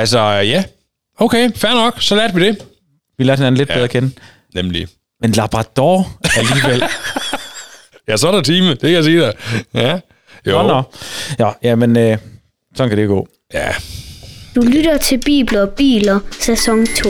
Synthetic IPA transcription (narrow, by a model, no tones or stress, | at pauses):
ælsɒjæ | oʊkʰeɪfæɐnɒ̽ɡ̥sɒ̽læɐd̥ʋid̥e̝ | ʋilæɐ̥he̝næn̩led̥̚beðˠɐkʰenə | nemlḭ | menlɑ̈b̥ʁɑ̈d̥ɒæliːʋel̰ | jæsɒɾæt͡sʰiːməd̥e̝kʰæjasiːd̥ejæ | jonɒjɒjæmenø | sɒ̽nkʰædɾeɡ̥ɔ̰ː | jæ | d̥ulyɾ̥ɐt͡sʰe̝b̥ḭːb̥lɐb̥ḭːlɐsæsɒŋt͡sʰo̝̰